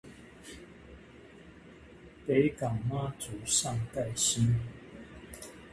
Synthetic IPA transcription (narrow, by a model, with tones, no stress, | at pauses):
pe˨˦ɪka˨˩ŋma˦t͡su˨˩˦sɑ˥˧˨ŋka˥˨ɪɕi˦n